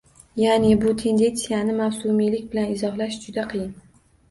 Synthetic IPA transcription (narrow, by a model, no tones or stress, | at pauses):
janebʊt̪ʰe̞nd̪e̞nt̪sijanɪmawsʊmilɪkʲbɪlanɪzɒχlˠaʃd͡ʒʊd̪aqʰɨjɪn